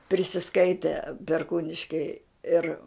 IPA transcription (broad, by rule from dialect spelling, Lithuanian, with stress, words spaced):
pʲrʲɪsʲɪˈskɐɪtʲɛ pʲɛrˈkuːnʲɪʃʲkʲɛɪ ˈɪr